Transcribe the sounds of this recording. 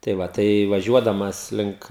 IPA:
tɐɪ ˈʋɐ tɐɪ ʋɐˈʒʲuɔdɐmɐs ˈlʲɪŋk

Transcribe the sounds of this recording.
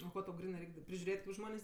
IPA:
oː ˈkoː tɐʊ ˈɡrʲɪnɜ ˈrʲɛɪkʲ dɐ pʲrʲɪʒʲʊˈrʲeːtʲ kɐɪp ˈʒmoːnʲeːsʲ

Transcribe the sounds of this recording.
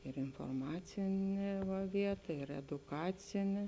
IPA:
ɪr ɪnfoːrˈmɑːt͡sʲɪnʲeː ʋɐ ˈʋʲiɛtɐ ɪr ɛdʊˈkɑːt͡sʲɪnʲeː

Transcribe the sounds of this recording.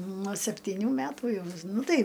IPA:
nuɔ sʲɛpʲtʲɪˈnʲuː ˈmʲætuː ˈjɛʊ ˈnʊ ˈtɐɪ

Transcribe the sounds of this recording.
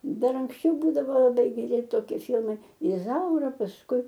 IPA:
ˈdɐr ɐŋksʲˈt͡ʃʲɛʊ ˈbuːdɐʋoː lˠɐˈbɐɪ ɡʲɛˈrʲɪ toːˈkʲiɛ ˈfʲɪlˠmɐɪ ɪˈzɐʊrɐ pɐsˈkʊɪ

